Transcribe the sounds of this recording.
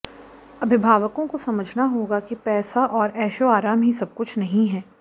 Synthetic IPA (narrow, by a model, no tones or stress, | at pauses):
ɐbʱɪbʱaːʋəkõkosɐməd͡ʒʱnaɦoːɡakipɛːsaʔɔːɾɛːʃoaːɾaːmɦisɐb̚kʊt͡ʃʰnɐɦĩɦɛː